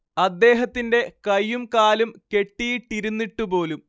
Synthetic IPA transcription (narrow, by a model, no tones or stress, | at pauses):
ɐd̪ːe̞ːɦɐt̪ːinde̞kɐjːumkaːlumke̞ʈːijiʈːiɾunːiʈːupo̞ːlum